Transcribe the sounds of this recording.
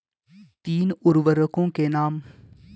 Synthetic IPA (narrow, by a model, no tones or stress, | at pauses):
t̪iːnʊɾʋəɾəkõːkenaːm